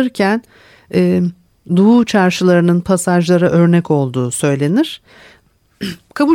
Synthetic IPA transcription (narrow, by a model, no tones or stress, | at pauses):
ɯɾcʰæn | ɛː | d̪uut͡ʃʰaɾʃɯlˠaɾɯnɯnpʰasaʒlˠaɾaʔø̞ɾnɛko̞lˠd̪uːsø̞jlʲe̞niɾ̥ | kʰabu